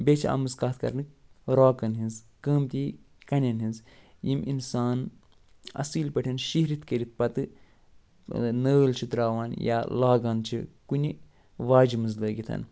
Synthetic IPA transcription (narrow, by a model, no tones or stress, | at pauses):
bʲet͡ʃʰiɐ̰mɨzkaːt̪ʰkɐ̰ɾnɨɾoːkɐnɦinz | kəːmt̪i | kɐnʲɐnɦinzjiminsaːn | ɐ̰siːlpɐʈʰʲɐnʃiɦɾit̪ʰkəɾit̪̚pɐt̪ɨ | nəːlt͡ʃʰit̪ɾaːʋaːnja̰ːlaːɡaːnt͡ʃʰḭkunʲi | ʋaːd͡ʒimɨzləːɡit̪ʰɐ̰n